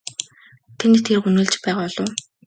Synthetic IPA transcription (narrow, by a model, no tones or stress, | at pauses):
t̪ʰent̪t̪ʰerxunɵ̆ːɮt͡ɕpæːʁaːɮʊː